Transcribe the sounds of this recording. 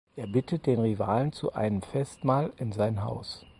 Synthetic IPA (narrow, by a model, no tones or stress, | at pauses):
ʔeːɐbɪtʰət̚d̥eːnʁiva̰ːlənt͡sṵʔa̰ɪnəmfɛstmaːlɪnzaɪnɦa̰ʊs